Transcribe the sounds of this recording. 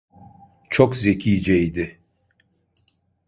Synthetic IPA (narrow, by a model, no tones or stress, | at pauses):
t͡ʃʰokzecʰiːd͡ʒɛjd̪ɪ